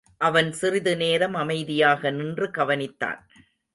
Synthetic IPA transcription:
ʔɐʋɐnsɪrɪðɯneːɾɐmɐmɐɪðɪjaːɣɐnɪndrɯkɐʋɐnɪt̪ːa̰ːn

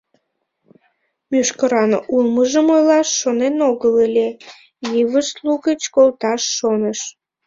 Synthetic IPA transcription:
mʲyʃkəɾɑnʔulməʒəmojlɑʃːonenoɣələlʲe | jiβəʃluɣət͡ɕkolt̪ɑʃːonəʃ

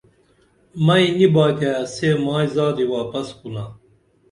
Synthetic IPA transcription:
mɐinibaːkeɐseːmaːizaːd̪iwaːpɐskuna

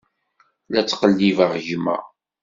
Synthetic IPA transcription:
læt͡sːqəlːivaʁʝmæ̰

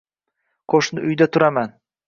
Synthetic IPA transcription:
qʰoʃnɪʔʊjd̪at̪ʰʊɾaman

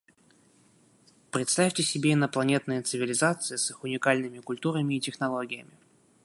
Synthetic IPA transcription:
pɾʲɪt̪st̪afʲtʲɪsʲɪbʲeɪnəplˠɐnʲe̞t̪nɨjət̪sɨvʲɪlʲɪzat̪sɨɪsɨxʊnʲɪkalʲnɨmʲɪkʊlʲt̪uɾəmʲɪːtʲɪxnɐlˠo̞ɡʲɪjəmʲɪ

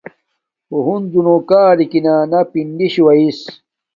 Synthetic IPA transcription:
oɦund͡ʑunokaːɾikinaːnapinɖiɕiwɐis

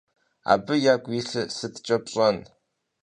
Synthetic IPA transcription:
a̰ːbɨjaːɡʷʼiɬɨsɨtt͡ʃʼɐpɕʼɐn

